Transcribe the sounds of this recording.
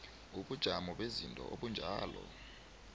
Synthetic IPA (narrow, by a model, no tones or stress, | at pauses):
uɓud̥ʒ̥ʱamɔɓezintʼɔ̰ʔoɓund͡ʒʱaːlɔ